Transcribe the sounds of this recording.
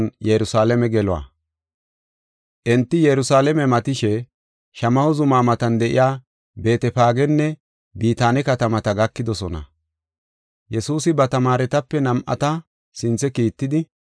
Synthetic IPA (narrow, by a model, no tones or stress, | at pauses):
njɛɾʊsaːlɛmɛɡɛlʊa̰ | ʔɛnt̪ːɪjɛɾʊsaːlɛmɛmɐt̪ɪʃɛ | ʃɐmɐhɔzʊmaːmɐt̪ɐnd̪ɛʔɪ̰jaː | be̞ːt̪ɛpaːɡɛnːɛ | biːt̪aːnɛkɐt̪ɐmɐt̪ɐɡɐkːɪd̪ɔsɔnɐ̰ | jɛsuːsɪbɐt̪ɐmaːɾɛt̪ɐpːɛnɐmʔɐ̰t̪ɐ | sɪnt͡sːɛkiːt̪ːɪd̪ɪ